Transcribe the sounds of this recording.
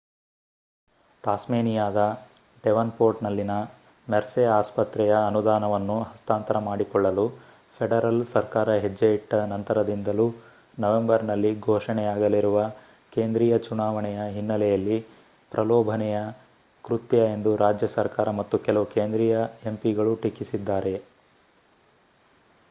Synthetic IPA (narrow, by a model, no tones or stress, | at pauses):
t̪aːsmeːnijaːd̪ɐ | ɖɛʋɐnpoːɾʈnɐlːinɐ | mɛɾsɛaːspɐt̪ɾɛjɐːnud̪aːnɐʋɐnːuɦɐst̪aːnt̪ɐɾɐmaːɽikɔɭːɐlu | pʰeɽɐɾɐlsɐɾkaːɾɐɦed͡ʒːeiʈːɐnɐnt̪ɐɾɐd̪ind̪ɐlu | nɐʋe̞mbɐɾnɐlːiɡʱɔːʂɐɳɛjaːɡɐlːiɾuʋɐ | ke̞ːnd̪ɾiːjɐt͡ʃunaːʋɐɳɛjɐɦinːɐlɛjɐlːi | pɾʔɐlɔːbʱɐnɛjɐ | kɾut̪jɐe̞nd̪uɾaːd͡ʒjɐsɐɾkaːɾɐmɐt̪ːukɛlɐʋukeːnd̪ɾiːjɐe̞mpiɡɐɭuʈikːisid̪ːaːɾe̞